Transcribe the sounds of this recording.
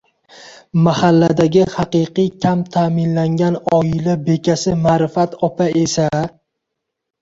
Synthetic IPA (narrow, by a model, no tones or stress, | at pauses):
mahalːad̪aɡʲɪhɑqɨqɨjkʲʰamt̪ʰamɪnlaŋɡʲanɒɪlabe̞kʲasɪmaːɾɪfat̪ɒpʰaʔe̞sa